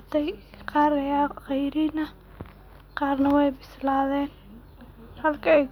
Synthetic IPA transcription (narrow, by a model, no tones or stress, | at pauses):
t̪ʰɛjqɑːɾɐjaχɛjɾinɐ | qɑːrnɐwɛjbɪslaːðɛːn | hɐlkʰɐɛ